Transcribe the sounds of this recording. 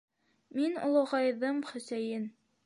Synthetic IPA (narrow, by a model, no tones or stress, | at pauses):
minṵlˠŏʁɑjðɤmχɵ̆sæjɘn